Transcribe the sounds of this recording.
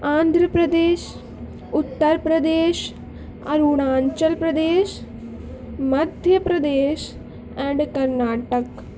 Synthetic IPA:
ãːnd̪ʱɾəpɾɐd̪eːʃ | ʊt̪ːəɾpɾɐd̪eːʃ | ɐɾuɽãːɲt͡ʃɐlpɾɐd̪eːʃ | mɐd̪ʱjɐpɾɐd̪eːʃ | ɛ̃ːɳɖkɐɾnaːʈək

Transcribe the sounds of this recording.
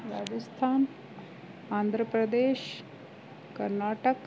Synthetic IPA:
ɾaːd͡ʒəst̪ʰaːn | aːnd̪ʱɾəpɾəd̪eːʃ | kəɾnaːʈək

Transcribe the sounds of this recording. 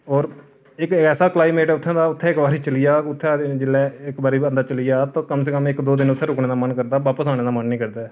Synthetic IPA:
ɔːɾ | ɪkɛːsaːklaːimeːʈɛʊt̪ʰːɛ̃ːd̪aːʊt̪ʰːɛ̃ːɪkbaːɾiːt͡ʃəlijaːʊt̪ʰːɛ̃ːd͡ʒɪlːɛːɪkbaːɾiːə̃nd̪aːt͡ʃəlijaːt̪õːkəms̬ekəmɪkd̪oːd̪ɪnʊt̪ʰːɛ̃ːɾʊkɳeːd̪aːmənkəɾd̪aːʋaːpəsaːneːd̪aːmənːĩːkəɾd̪aː

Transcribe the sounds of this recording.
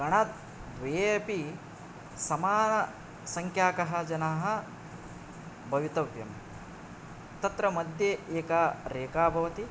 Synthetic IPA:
ɡɐɳ̃aːt̪̚ | d̪ʋɐjepi | sɐmaːnɐ | sɐŋkʰjaːkɐɦɐ̆d͡ʒɐnaːɦɐ̆ | bʱɐʋit̪ɐʋjɐm | t̪ɐt̪ɾɐmɐd̪ʱjeeːkaːɾeːkaːbʱɐʋɐt̪i

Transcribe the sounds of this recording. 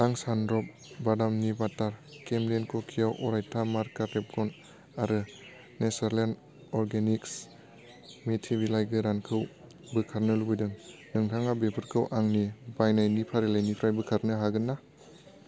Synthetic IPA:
aŋsandɾɔp̚ | badamnibataɾkemlenkʰokʰijawʔɔɾajtʰamaɾkaɾep̚ɡɔn | aɾɯ | nesaɾlen | ɔɾɡeniks | metʰibilajɡɯɾankʰɯw | bɯkʰaɾnɯlubɯjdɯŋnɯŋtʰaŋabepʰɯɾkʰɯwʔaŋnibajnajnipʰaɾilajnipʰɾajbɯkʰaɾnɯɦaɡɯnːa

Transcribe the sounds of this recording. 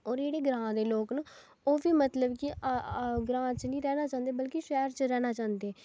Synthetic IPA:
ɔːɾeːɽeːɡɾãːd̪eːloːknə | oːʋiːmət̪ləbkɪ | ɡɾãːt͡ʃnĩːɾɛːnaːt͡ʃãːnd̪eːbəlkiʃɛːɾt͡ʃɾɛːnaːt͡ʃãːnd̪eː

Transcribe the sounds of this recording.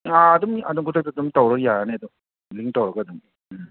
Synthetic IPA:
aːd̪umɐdumkʰutʰɐk̚tadumtawɾɐkjaɾaneɐd̪um | liŋk̚tawɾɐɡadum

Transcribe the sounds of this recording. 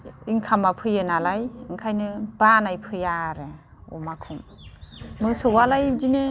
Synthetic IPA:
iŋkʰamapʰɯjɯnalajɯŋkʰajnɯbanajpʰɯjaɾɯ | ɔ̰makʰum | mɯsɯwalajzine

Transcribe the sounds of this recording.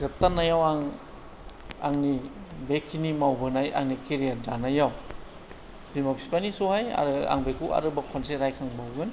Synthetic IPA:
zɯp̚tanajawaŋ | a̰ŋnibekʰːinimawbɯnaja̰ŋnikeɾijadanajaw | bimapʰsipanisuhaja̰ɾɯa̰ŋbekʰua̰ɾɯbakʰɔnseɾajkʰaŋbawɡɯn

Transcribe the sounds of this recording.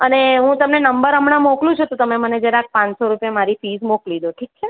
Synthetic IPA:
əneɦũt̪əmnenəmbəɾəmɳamoklũt͡ʃʰut̪ot̪əmeməned͡ʒjaɾeak̚pãt͡ʃsoɾupjamaɾifizmoklid̪oʈʰik̚t͡ʃʰe

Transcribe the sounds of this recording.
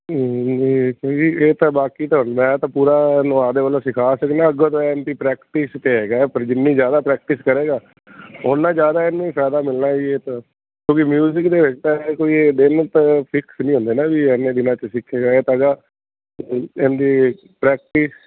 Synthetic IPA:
iːkõːkieːt̪ãːbaːkiːt̪aɦʊnd̪aːɛːt̪ãːpuːɾaːnõːaːd̪eːʋəːlõsɪkʰaːsəknãːəɡət̪ɛnd̪iːpɾɛːkʈɪst̪eːɦɛːɡaːɛpəɾd͡ʒɪnːĩːd͡ʒjaːd̪aːpɾɛːk̚ʈɪskəɾeːɡaː | ʊnːãːd͡ʒjaːd̪aːɪnːẽːpɛːd̪aːmɪlnaːieːt̪a | kjõːkimjuːzɪkd̪eːʋɪt͡ʃt̪aekoːiːeːd̪ɪnt̪əpʰɪksnĩːɦʊ̃nd̪eːnãːʋiːɛnːẽːd̪ɪnãːt͡ʃəsɪkʰːeːɡaːeːt̪aːɡaː | end̪iː | pɾɛːk̚ʈɪs

